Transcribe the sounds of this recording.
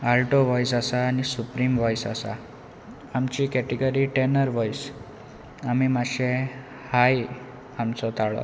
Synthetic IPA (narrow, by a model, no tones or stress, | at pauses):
alʈoʋɔjs̬asaːnisupɾimʋɔjsasa̰ | amt͡ɕikɛʈiɡəɾiʈenəɾʋɔjs | amimaɕe | haj | amt͡sɔt̪aɭɔ̰